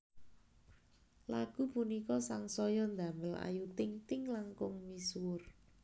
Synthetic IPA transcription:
laɡ̥upunikɔsaŋsɔjɔnd̪a̤məla̰jut̪ɪŋt̪ɪŋlaŋkʊŋmiswʊr

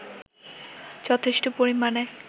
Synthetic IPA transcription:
d͡ʑɔt̪ʰeʃʈopoɾimane

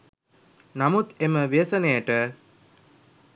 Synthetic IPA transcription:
namut̪eməʋeːsənejəʈə

